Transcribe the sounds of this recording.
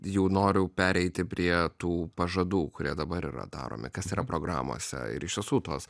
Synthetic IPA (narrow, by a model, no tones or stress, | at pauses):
jɛʊnoːɾʲʊpʲæːɾʲɛɪt̪ʲɪpʲɾʲiɛt̪uːpɐʒɐd̪uːkʊɾʲiɛd̪ɐbɐɾḭːrɐ̰d̪ɑ̰ːɾo̰ːmʲɪ̰kɐsiːɾɐpɾoːɡɾɑ̰ːmo̰ːsʲɛ̰ɪ̰ɾɪʃʋʲiɪsuːt̪oːs